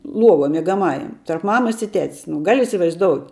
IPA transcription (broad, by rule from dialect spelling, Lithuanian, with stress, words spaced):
ˈlˠuɔʋuɔ mʲiɛɡɐˈmɑːjɛm tɐrp ˈmɑːmɐs ɪ ˈtʲɛtʲs nʊ ˈɡɐlʲ ɪsʲɪʋɐɪzˈdoːʊtʲ